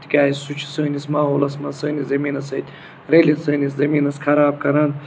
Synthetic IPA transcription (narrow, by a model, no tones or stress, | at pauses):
t̪ʰi̥kʲaːjisut͡ʃʰi̥səːnismaːɦoːlɐsmɐsəːnʲizɐmiːnɐsɐt̪ʲ | ɾelʲisɐːniszɐminɐsxʰɐɾaːb̚kɐɾɐn